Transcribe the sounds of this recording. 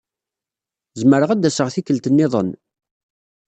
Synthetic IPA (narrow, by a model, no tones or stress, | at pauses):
zəməɾəʁæd̪ːæsəʁθikːəlt̪ənːɪðˤə̰n